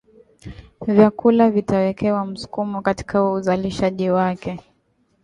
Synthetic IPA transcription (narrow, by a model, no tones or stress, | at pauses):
vjakulavitawɛkɛwam̩su̥kumɔkati̥kauzaliʃaʄiwakɛ